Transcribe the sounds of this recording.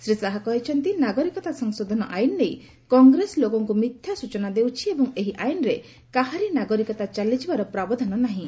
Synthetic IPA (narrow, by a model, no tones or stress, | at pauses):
sɾisaɦakɔɦit͡ʃʰɔnt̪inaɡɔɾikɔt̪asɔŋsod̪ʱɔnɔʔajnɔnej | kɔŋɡɾeslokɔŋkumit̪ʰjasut͡ʃɔnad̪ewt͡ʃʰiebɔŋeɦiʔajnɔɾe | kaɦaɾinaɡɔɾikɔt̪at͡ʃalid͡ʒibaɾɔpɾabɔd̪ʱɔnɔnaɦĩ